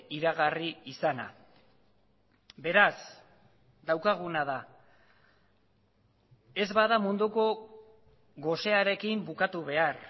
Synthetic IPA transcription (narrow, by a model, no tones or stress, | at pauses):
iɾaɣariisana̰ | be̞ɾas | d̪awkaɣ̞unaða | e̞zβaðamund̪uko̞ | ɣo̞se̞aɾe̞kimbukat̪uβe̞ar